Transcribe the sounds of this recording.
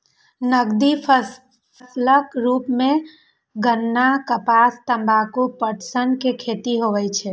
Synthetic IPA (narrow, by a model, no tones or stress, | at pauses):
nəɡd̪ipʰ | pʰəsləkɾuːpmẽ | ɡənːakəpast̪əmbakopəʈsənkekʰet̪iɦoʋɛt͡ʃʰɛ